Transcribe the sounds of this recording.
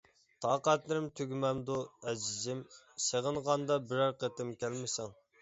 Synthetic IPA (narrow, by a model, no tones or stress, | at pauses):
t̪ʰɑːqæt̪lɪɾɪmt̪ʰøɡʲmɛmd̪uɛd͡ʒɪzɪm | seʁənʁɑnd̪ɑbɪɾɑɾqət̪ɪmkʲælmɪsɛŋ